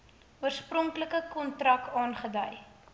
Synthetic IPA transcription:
uərsprɔŋkləkəkɔntrɐkɑːnχədəj

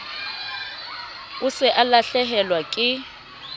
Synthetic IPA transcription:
ʊsɪʔalaɬɛɦɛlwakʼɪ

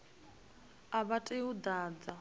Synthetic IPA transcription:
aβatʼeud̪aːd͡za

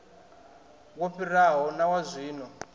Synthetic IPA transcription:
woɸiraɦɔnawazʷiːnɔ

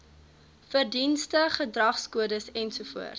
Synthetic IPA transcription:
fərdinstəχədrɐχskuədəsɛnsufṵərt

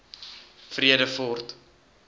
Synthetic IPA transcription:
friədəfɔrt

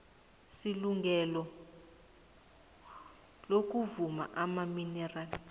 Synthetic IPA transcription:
siluŋɡɛlɔ | lok̬uvuma̰ʔamaminɛraːli

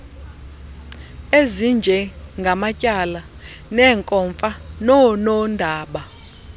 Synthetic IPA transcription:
ezind͡ʒʱɛŋɡʱamacʼala | nɛːŋkʼɔɱfanɔnɔndʱaːɓa

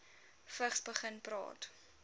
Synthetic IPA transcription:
fəχsbəχənprɑ̰ːt

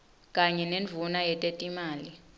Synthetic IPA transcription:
kʼaɲɛneɱvʱunajɛtʼetʼimaːli

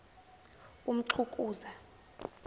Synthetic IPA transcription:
um̩ǀʰukʼuːza

